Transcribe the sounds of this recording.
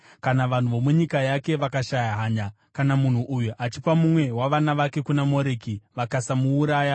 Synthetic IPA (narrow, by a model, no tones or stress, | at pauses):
kanaʋan̤uʋo̞muɲikajake̞ʋakaʃajaɦaːɲa | kanamun̤uʔujuʔat͡ʃipamumwe̞waʋanaʋake̞kunamo̞ɾeːkiʋakasamuːɾaːja